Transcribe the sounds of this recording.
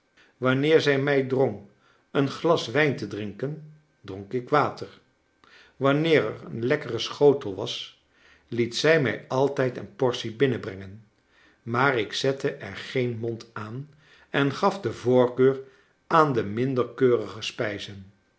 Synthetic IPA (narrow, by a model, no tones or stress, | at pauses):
ʋɑnɪːɹzɛjmɛjdroŋ | ənχlɑsʋɛjntədrɪŋkən | droŋkɪkʋaːtəɹ | ʋɑnɪːɹɛ̰rənlɛkərəsχowtəl̩ˠʋɑs | litsɛjmɛ̰jɑlˠtɛjtə̰npɔɹsibɪnəbrɛŋən | maːrɪksɛtəʔɛ̰ɹχejnmɔntaːn | ɛnχɑfdəvʊːɹkøːɹ | aːndəmɪndəɹkøːrəχəspɛjzən